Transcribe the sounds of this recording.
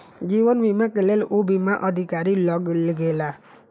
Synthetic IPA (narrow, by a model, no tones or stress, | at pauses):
d͡ʒibənbimakelelubimaʔʌd̪ʱikaɾilʌɡlɡela